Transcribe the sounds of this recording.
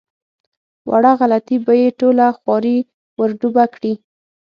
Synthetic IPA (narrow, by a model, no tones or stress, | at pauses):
wʔa̰ɽaɣalat̪ibajeʈolaxwɑɾi | wəɾɖubakɽi